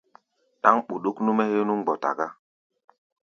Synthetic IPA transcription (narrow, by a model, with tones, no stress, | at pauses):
ɗa˦ŋɓu˨ɗu˦knu˦mɛ˦he˦nu˦ŋɡ͡bɔ˨ta̰˨ɡa˦